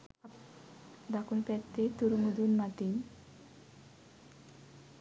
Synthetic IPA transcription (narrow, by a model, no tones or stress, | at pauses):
d̪akunpɛt̪ːet̪uɾumud̪unmat̪in